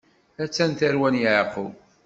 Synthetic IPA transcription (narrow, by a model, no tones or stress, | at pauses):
æt͡sːænt̪æɾwænjʕqə